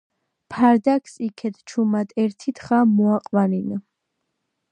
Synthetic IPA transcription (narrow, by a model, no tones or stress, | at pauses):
pʰaɾd̪akʰsikʰɛt̪t͡ʃʰumad̪ʼɛɾt̪ʰit̪χamuaqʼvanin